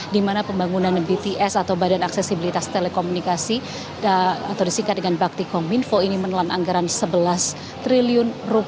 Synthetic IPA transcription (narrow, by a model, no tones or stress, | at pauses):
dimanapəmbaŋunanbit̪iʔɛsat̪awbadanaksɛsibilit̪ast̪elekomunikasi | at̪awdisiŋkat̪dəŋanbak̚t̪ikɔminfoinimənəlanaŋɡaɾansəbəlas | t̪ɾiliʊnrup